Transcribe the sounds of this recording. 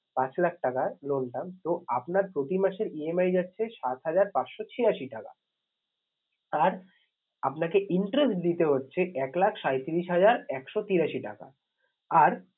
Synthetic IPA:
pat͡ɕlak̚ʰʈakalonʈamt̪oapnaɾpɾot̪imaʃeɾiemajd͡ʑatːɕʰeʃat̪ɦad͡ʑaɾpat͡ɕʃot͡ɕʰijaʃiʈaka̰ | aɾ | apnakeʔiɳʈɾesʈd̪it̪eɦotːɕʰeʔɛklakʰʃajt̪iɾiʃɦad͡ʑaɾɛkʃot̪iɾaʃiʈa̰ka̰ | aɾ

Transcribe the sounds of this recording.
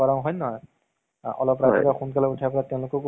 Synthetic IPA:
aɹãʊ̃ɦɔjnɔɦɔj | ʔɔ̰lɔpɹaikaxunkalautʰapɹatɛ̃ʊ̃lʊkɔk

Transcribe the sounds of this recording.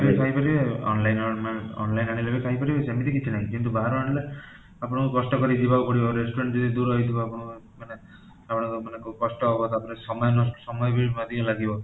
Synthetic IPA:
bekʰajpɔɾibeɔ̰nlajnɔmaɔ̰nlajnaɽ̃ilebekʰaɦjpɔɾibesemit̪ikit͡ʃʰinaĩkint̪̬ubaɾɔaɽile | apɔɽ̃ɔkukɔsʈɔkɔɾid͡ʒibaupɔɽibɔɾesʈuɾeɳʈd͡ʒɔd̪id̪uɾɦɔijt̪ʰibɔapɔɽ̃ɔ | mane | apɔɽ̃ɔ̃kɔmanekukɔsʈɔɦɔbɔt̪apɔnesɔmɔjɔnɔssɔmɔjbimad̪ʱiɔ̃laɡibɔ

